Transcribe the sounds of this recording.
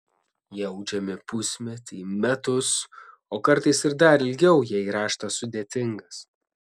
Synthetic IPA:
jɛɛʊd͡ʒʲɛmʲɪpʊsʲmʲɛt̪ʲɪːmʲɛt̪ʊs | oːkɐɾt̪ɐɪsɪɾd̪ɐɾɪlʲɡʲɛʊjiɛiːɾɑːʃt̪ɐsʊd̪ʲeːt̪ʲɪŋɡɐs

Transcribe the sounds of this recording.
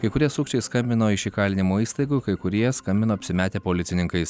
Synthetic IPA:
kɐɪkʊɾʲiɛsuːkʃt͡ʃʲɛɪskɐmʲbʲɪnoːɪʃiːkɑːlʲɪnʲɪmoːiːst̪ɐɪɡukɐɪkʊɾʲiɛskkɐmʲbʲɪnoːɐpʲsʲɪmʲæːt̪ʲeːpoːlʲɪt̪sʲɪnʲɪŋkɐɪs

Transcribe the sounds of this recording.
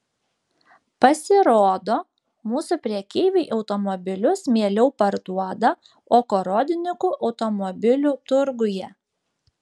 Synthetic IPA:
pɐsʲɪɾoːd̪oː | muːsʊpʲɾʲiɛkʲeɪʋʲɛɪʔɒʊt̪ɔmɔbʲɪlʲʊsmʲeːlʲɛʊpɐɾd̪uɔd̪ɐ | oːkoɾoːd̪ʲɪnʲɪkuːʔɐʊt̪ɔmɔbʲɪlʲuːt̪ʊɾɡʊjɛ

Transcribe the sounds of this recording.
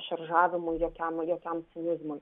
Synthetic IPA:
ʃɐɾʒɑːʋʲɪmʊɪjoːkʲɛmjoːkʲɛmsʲɪnʲɪzmʊɪ

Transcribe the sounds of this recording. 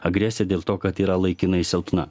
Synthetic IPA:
ɐɡɾʲɛsʲɛd̪ʲeːlˠt̪oːkɐt̪iːɾɐlˠɐɪkʲɪnɐɪsʲɛʊt̪nɐ̰

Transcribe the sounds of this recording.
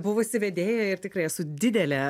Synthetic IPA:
bʊʋosʲɪʋʲɛd̪ʲeːjɛɪrt̪ʲɪkɾɐɪɛsʊd̪ʲɪd̪ʲɛlʲɛ

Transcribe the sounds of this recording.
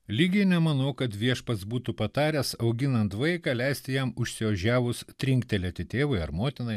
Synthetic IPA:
lʲiːɡʲɪnʲɛmɐnɐʊkɐt̪ʋʲiɛʃpɐsbuːt̪upɐt̪ɑːɾʲɛsɐʊɡʲɪnɐnt̪ʋɐɪkɑːlʲɛɪsʲt̪ʲɪjɛmʊʃʲsʲɪʋɐʒʲæːʋʊst̪ʲɾʲɪŋʲkt̪ʲɛlʲɛt̪ʲɪt̪ʲeːʋɐɪɐɾmoːt̪ʲɪnɐɪ

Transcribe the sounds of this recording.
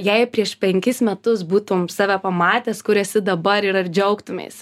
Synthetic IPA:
jɛɪpʲɾʲiɛʃpʲɛŋʲkʲɪsmʲɛt̪ʊsbuːt̪ʊmsɑːʋʲæpɐmɑːt̪ʲeːskʊɾʲɛːsʲɪd̪ɐbɐɾɪɾɐrd͡ʒʲɛʊkt̪ʊmʲḛːs

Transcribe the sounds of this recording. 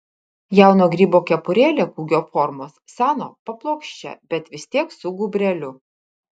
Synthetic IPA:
jæˑʊnoːɡɾʲiːboːkʲɛpʊɾʲeːlʲeːkuːɡʲoːfɔɾmoːsːʲæːno̰ːpɐplˠoːkʃʲt͡ʃʲɛ̰bʲɛt̪ʋʲɪsʲt̪ʲiɛksʊɡʊbʲɾʲɛlʲʊ

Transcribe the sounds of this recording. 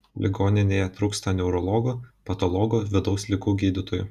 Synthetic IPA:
lʲʔɪɡoːnʲɪnʲeːjɛt̪ɾuːkst̪ɐnʲɛʊɾɔlˠɔɡoːpɐt̪ɔlˠɔɡoʋʲɪd̪ɒʊslʲɪɡuːɡʲiːd̪ʲɪt̪oːjṵ

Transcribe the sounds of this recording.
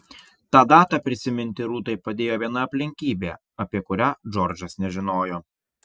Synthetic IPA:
t̪ɑːd̪ɑːt̪ɑːpʲɾʲɪsʲɪmʲɪnʲt̪ʲɪɾuːt̪ɐɪpɐd̪ʲeːjoːʋʲiɛnɐɐpʲlʲɪŋʲkʲiːbʲeː | ɐpʲiɛkʊɾʲæːd͡ʒɔɾʲd͡ʒɐsnʲɛʒʲɪnoːjoː

